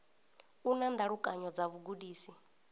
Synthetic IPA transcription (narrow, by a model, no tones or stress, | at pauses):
unand̪aɺukʼaɲɔd͡zaβuɡuɗiːsi